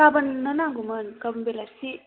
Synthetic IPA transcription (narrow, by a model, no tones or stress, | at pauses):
abɐnnɐnaŋɡumɐnkabɐnbelasi